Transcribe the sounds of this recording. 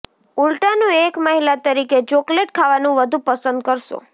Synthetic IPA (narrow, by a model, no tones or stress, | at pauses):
uɭʈanũekməɦilat̪əɾiket͡ʃokleʈ̚kʰaʋanũʋəd̪ʱupəsənd̪̚kəɾʃo̰